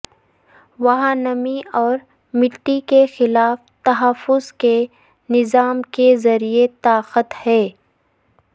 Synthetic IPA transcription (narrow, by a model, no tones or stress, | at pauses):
ʋɐɦaːnəmiɔːɾ | mɪʈːikexɪlaːft̪ɐɦəfʊzke | nɪzaːmkezɐɾiet̪aːqət̪hɛː